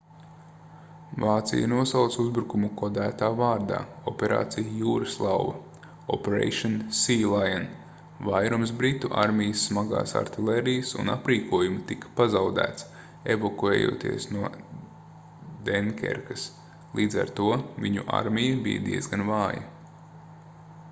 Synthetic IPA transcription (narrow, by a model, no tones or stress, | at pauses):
vaːt̪sḭja̰nuɔsawt̪suzbɾukumukɔd̪æːt̪aːvaːɾd̪a̰ːɔpeɾa̰ːt̪sijjuːɾɐslˠawvɐ̰ | ɔpeɾḛjʃɔnsiːlˠajan | vajɾumsbɾit̪ːuʔa̰ɾmʲijəsːmaɡa̰ːsa̰ɾt̪ilˠeɾijɐsṵna̰pɾiːkuɔjumit̪ikɐ̥pazawd̪æ̰ːt̪s | ḛvokuɛ̰ːjṵːt̪ḭɛsnuɔ | d̪ɛnkʲɛ̰ɾkɐs | lˠiːd̪za̰ɾt̪uɔvʲiɲuʔa̰ɾmʲijɐbḭjɐ̰d̪iɛzɡanvaːjɐ̰